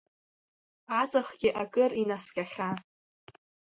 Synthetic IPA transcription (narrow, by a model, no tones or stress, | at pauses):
ʕat͡sʼaχɡʲɪʔakʼɨrinaskʲʼaχʲa